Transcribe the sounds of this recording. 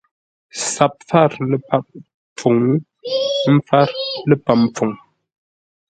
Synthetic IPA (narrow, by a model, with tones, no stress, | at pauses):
sa˨p̚fa˦˨ɾlə˦˨pa˦p̚ | p͡fu˨ŋ˦ | m̩˦fa˦ɾlə˦pa˨p̚p͡fu˨ŋ